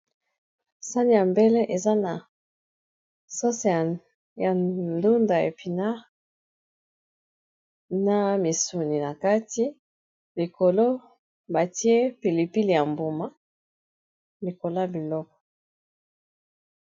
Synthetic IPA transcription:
sa˦ni˨ja˨mbe˦le˦ʔe˨za˦na˨ | so˦s | ja˨du˦nda˨ḛ˨pi˨na˦ | na˨mi˨su˨ni˨na˨ka˦ti˦ | li˨ko˨lo˦ | ba˨ti˦e˦pi˨li˨pi˦li˨ja˨mbo˨ma˦ | li˨ko˨la˦bi˨lɔ˦kɔ̥˨

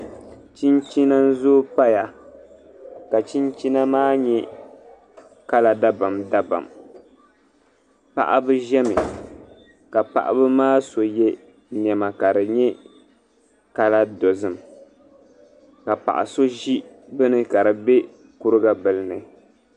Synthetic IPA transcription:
t͡ʃi˦nt͡ʃi˦na˦n̩˦zoː˦pa˦ja˨ | ka˨t͡ʃi˦nt͡ʃi˦na˦maː˦ɲɛ˦ | ka˦la˨da˦ba˨mda˦ba̰˨m | pa̰˨ʔa̰˦bɨ˦ʒɛ˦mɨ˨ | ka˨pa̰˨ʔa̰˨˦bɨ˦maː˦so˨jɛ˦ | nɛ˨ma˨ka˨dɨ˨ɲɛ˦ | ka˦la˦do˨zɨ˨m | ka˨pa̰˨ʔa̰˨so˦ʒi˦bɨ˦nɨ˦ka˨ɾɨ˨bɛ˦ | ku˦ɾɨ˦ɡa˦bɨ˨lɨ˦nɨ˨

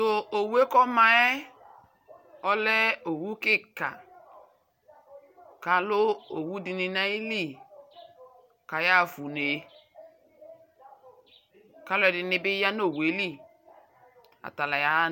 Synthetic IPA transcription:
to˨o˨we˦kɔ˦ma˨e˦ | ɔ˦le˦o˨wu˦ki˦ka̰˨ | ka˨lo˦o˨wu˦di˨ni˨na˦i˦li˦ | ka˨ja˦˨fu˨ne˨ | ka˦lo˦˨ɛ˨di˨ni˨bi˦ja˦n˦o˦˨we˨˦li˦˨ | a̰˨ta˨la˨ja˨˦

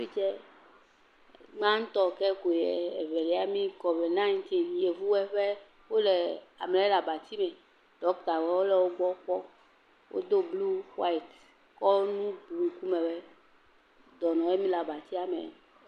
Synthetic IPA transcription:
fi˦t͡ʃɛ˦ | ɡ͡bã˦ŋ̩˦t̪ɔ˦kɛ˦ko˨jɛ˨ɛ˨vɛ˨li˨˦a˦mĩ˦kɔ˨vɛ˨nã˦i˦nt̪i˦nje˨vu˦wɛ˦ɸɛ˦ | wo˦lɛ˨a˨m˨ɛ˦la˨ba˨t̪i˦mɛ˨ | ɖ̥ɔ˦k̚d̪a˨wɛ˨˦wo˦lɛ˨wo˦ɡ͡bɔ˦k͡pɔ˦ | wo̰˦d̪o˦blu˦wa˦i˨t̪ | kɔ˦nũ˦blu˦ku˦mɛ˨wɛ˦ | d̪ɔ˨nɔ̃˨je˦mĩ˦la˨ba˨t̪i˦a˨mɛ̰̃˨

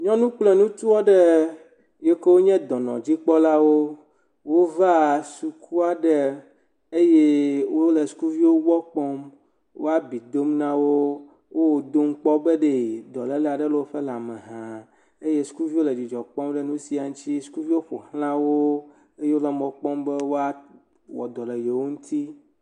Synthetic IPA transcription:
ɲɔ̃˦nũ˦k͡plɛ˨nũ˦t̪u˦wɔ˦ɖɛ˦ | je˦ke˦wo˦ɲɛ̃˦d̪ɔ˨nɔ̰̃˨d͡ʑi˦k͡pɔ˦la˦wo˦ | wo˦va˦su˨kʰu˦a˨ɖɛ˦ | e˦je˦wo˦le˨su̥˦ku˦vi˦wo˦wɔ˦k͡pɔ˦m | wo̰˦a˦bi˨d̪o˦mnã˦wo˦ | wo˦wo˨d̪o˦m̩˦k͡pɔ˦be˦ɖe˨d̪ɔ˨le˦la˨ɖe˦lo˦wo˦ɸe˦la˨me˨ɦã˨ | e˦je˦su̥˦ku˦vi˦wo˦le˨d͡ʑi˨d͡ʒɔ˨k͡pɔ̃˦mɖe˦nũ˦si˦a˨ŋ̩̃˦t͡ɕi˦su̥˦ku˦vi˦wo˦ɸo̰˨hl̃ã˦wo˦ | e˦je˦wo˦la˦mɔ̃˨k͡pɔ˦mbe˦wo˦a˦ | wɔ̰˨d̪ɔ˨le˨je˨wo˦ŋũ˦t̪ʰi˦

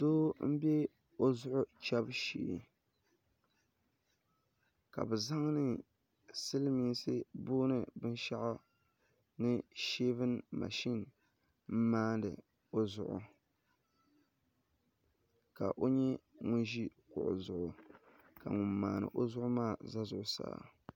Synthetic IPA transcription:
doː˦m̩˦bɛ˦ | o˦zʊ˦ʔʊ˦t͡ʃɛ˦bʃḭː˨ | ka̰˨bɨ˨za˦ŋnɨ˨ | sɨ˦lmi˨˦sɨ˦boː˦nɨ˨bɨ˦n˦ʃa˦ʔa˦ | nɨ˦ʃe˦vɨ˦nma̰˨ʃi˦n | m̩˦maː˦ndɨ̰˨ | o˦zʊ˨ʔʊ̰˨ | ka̰˨ʔo˦ɲɛ˦ŋʊ˦nʒi˦kʊ̰˨ʔʊ̰˨zʊ˨ʔʊ˨ | ka̰˨ŋʊ˨mːa̰ː˨nɨ̰˨ʔo˦zʊ˦ʔʊ˦maː˦˨za˦zʊ˨ʔʊ˦sa̰ː˨

